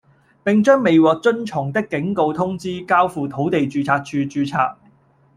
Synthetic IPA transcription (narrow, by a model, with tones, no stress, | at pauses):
pɪ˨ŋt͡ʃœː˥ŋme˨jwɔː˨k̚t͡sɵ˥nt͡ʃʰʊ˨˩ŋt̪ɪ˥kːɪ˨˥ŋko˧wt̪ʰʊ˥ŋt͡siː˥kaː˥wfuː˨˧t̪ʰo˨˥wt̪e˨jt͡ʃyː˧t͡sʰaː˧k̚t͡ʃʰyː˧t͡ʃyː˧t͡sʰaː˧t̚